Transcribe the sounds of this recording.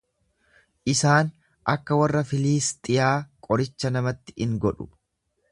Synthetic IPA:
ʔɪsaːn | ʔɐkːɐwɐrːɐfɪliːst̪ʼɪjaːkʼɔɾɪt͡ʃːɐnɐmɐt̪ːɪ̥ʔɪŋɡɔᶑʊ̥

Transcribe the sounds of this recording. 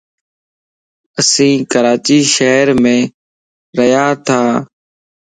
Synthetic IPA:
əsĩːkəɾaːt͡ʃiːʃəɦɾmẽː | ɾəjaːt̪ʰaː

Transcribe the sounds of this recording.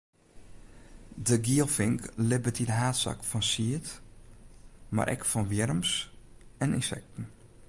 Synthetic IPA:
dəɡiəlˠfɪŋklɪbətʰidəɦaːtsa̰kfɔnsiət | ma̰ɾʔɛ̰kfɔnʋjɪɾəmsɛnɪ̰nsɛ̰k̚tn̩

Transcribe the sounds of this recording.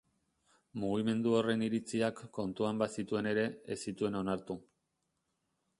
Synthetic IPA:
muɣime̞nd̪uo̞re̞niɾit͡siakːo̞nt̪uambasit̪ue̞ne̞ɾe̞esit̪ue̞no̞naɾt̪u

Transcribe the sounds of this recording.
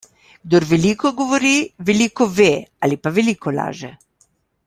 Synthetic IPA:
ɡ̥d̪oɾʋɛliːkɔɡoʋɔɾiʋɛliːkɔʋeːalipaʋɛliːkɔla̰ːʒɛ

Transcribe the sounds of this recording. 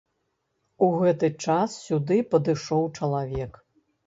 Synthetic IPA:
uɣɛt̪ɨt͡ʂassʲud̪ɨpɐd̪ɨʂɔwt͡ʂɐlˠavʲɛk

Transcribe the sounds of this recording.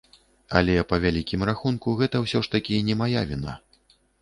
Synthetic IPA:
ɐ̰lʲɛpɐvʲalʲikʲimraxunkuɣɛt̪ɐwsʲɔʂt̪ɐkʲinʲɛmajavʲina̰

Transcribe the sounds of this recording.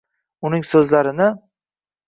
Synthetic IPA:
ʊnɪŋsɵzlaɾɪnɪ

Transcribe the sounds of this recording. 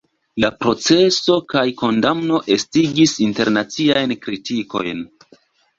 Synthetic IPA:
lapɾo̞t͡se̞so̞kajko̞ndamno̞ʔe̞stiɡisinte̞ɾnat͡siajnkɾitiko̞̰jn

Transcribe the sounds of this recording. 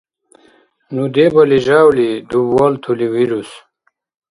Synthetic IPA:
nud̪ebɐliʑaːwlid̪ubwaːlt̪ʰuliwiɾus

